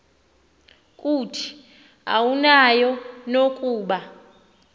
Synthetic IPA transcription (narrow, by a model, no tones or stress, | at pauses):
kʼutʰi̥ | a̰wunajɔnokʼuːɓa